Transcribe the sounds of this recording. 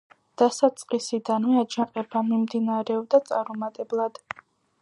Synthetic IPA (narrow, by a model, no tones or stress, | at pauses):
d̪̥asat̪sʼqʼisid̪anmɛad͡ʒaqʼɛbamimd̪inaɾɛɔbd̪at̪sʼaɾmɔmat̪ʼɛblˠad̪̥